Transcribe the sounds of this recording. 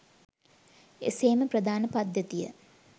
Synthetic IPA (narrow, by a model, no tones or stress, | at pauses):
ḛseːməprəd̪aːnəpad̪jət̪ijə̰